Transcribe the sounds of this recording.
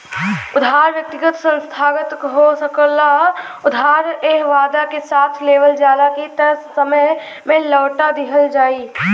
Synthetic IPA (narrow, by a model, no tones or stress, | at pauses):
ʊd̪ʱɦaːɾʋjək̚t̪ɪɡət̪sə̃nst̪ʰaːɡət̪ɦosəklaʊd̪ʱaːɾeːɦʋaːd̪akesaːt̪ʰleːʋəld͡ʒaːlakit̪ɐɾsːəməj | mẽləːʈad̪ɪɦəld͡ʒaːiː